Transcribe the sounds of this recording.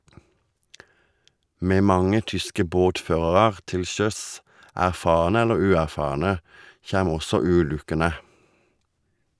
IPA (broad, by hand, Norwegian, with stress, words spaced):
ˈmeː ˈmɑŋə ˈtʏskə ˈboːtˌføːʁɑʁɑʁ ˈtɪl ˈʃœs ˌʔæʁˈfɑːʁnə ˈɛləʁ ˈʉːˌæʁˌfɑːʁnə ˈçæm ˈɔsɔ ˈʉːˌlʉkənə